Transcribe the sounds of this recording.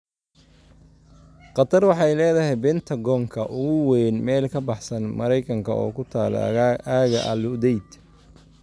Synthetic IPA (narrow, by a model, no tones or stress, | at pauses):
qɑt̪ʰɐrwɑħɑjlɛːðɐɦɛjbɛnt̪ʰɐɡɔːŋkʰɐʔʊɣʊwɛjnmɛːlkʰɐbɑħsɐnmɐɾɛjkʰɐŋkʰɐɔ̰ːkʰʊt̪ʰaːl̰aːɣɐʔɐlʊd̪ɛjd̪